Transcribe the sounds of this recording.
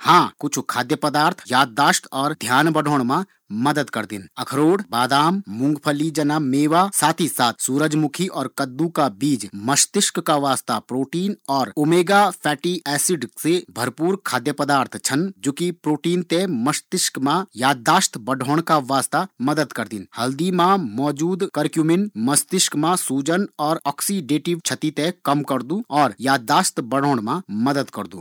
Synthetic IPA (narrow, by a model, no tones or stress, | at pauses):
hãːkʊt͡ʃʰkʰaːd̪jəpəd̪aːɾt̪ʰjaːd̪̚ːaːʃt̪ʰɔːɾd̪ʱjaːnbəɖʱoːɽ̃mã | mɐd̪əd̪kɐɾd̪ɪ̰nɐkʰɾoːɽbaːd̪aːmːʊ̃ŋɡpʰəlid͡ʒɐnameːʋasaːt̪ʰisaːt̪ʰsuːɾəd͡ʒmʊkʰiʔɔːɾkɐd̪ːukabiːd͡ʒməʃt̪ɪʃkkaʋaːst̪apɾoːʈiːnɔːɾʊmeːɡapʰɛːʈiɛːsɪɖsebʱɐɾpuːɾkʰaːd̪jəpəd̪aːɾt̪ʰt͡ʃʰənd͡ʒoːkipɾoːʈiːnt̪ẽməʃt̪ɪʃkmãjaːd̪ːaːst̪ʰbɐɖʱoːɽ̃kaʋaːst̪amɐd̪əd̪kɐɾd̪ɪnhɐld̪imãmɔːd͡ʒuːd̪kəɾkjuːmɪnmɐst̪ɪʃkmãsuːd͡ʒənɔːɾɔːksiɖeːʈɪʋt͡ʃʰət̪it̪ẽkɐmkɐɾd̪ũɔːɾjaːd̪ːaːst̪bɐɽ̤oːɽ̃mãmɐd̪əd̪kɐɾd̪ṵː